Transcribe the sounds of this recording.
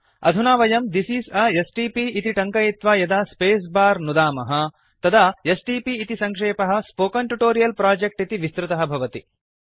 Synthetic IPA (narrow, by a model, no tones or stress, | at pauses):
ɐ̰d̪ʱunaːʋɐjɐmd̪isiːsɐesʈiːpiːt̪iʈɐŋkɐjit̪ʋaːjɐd̪aːspeːs̬baːɾnud̪aːmɐɦɐ | t̪ɐd̪ʱaesʈiːpiːt̪isɐŋkʂeːpɐɦɐ̆spoːkɐɳʈuʈoːɾijɐlpɾaːd͡ʒek̚ʈit̪iʋist̪ɾɪt̪ɐɦɐbʱɐʋɐt̪ḭ